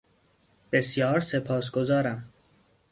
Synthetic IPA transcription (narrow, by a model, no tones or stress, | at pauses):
b̥e̞sjɒːɾsepʰɒːsɡ̥ozɒːɾæm